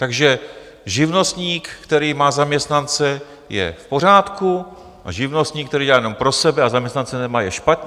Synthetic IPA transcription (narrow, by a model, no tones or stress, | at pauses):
t̪aɡʒɛ | ʒɪvno̞st̪ɲiːkkt̪ɛɾiːmaːzamɲɛst̪nant͡sɛ | jɛ̰fpo̞r̝aːt̪ku | ʔa̰ʒɪvno̞st̪ɲiːk̚t̪ɛɾiːɛlaːjɛnompɾo̞sɛbɛazamɲɛst̪nant͡sɛnɛmaːjɛʃpat̪ɲ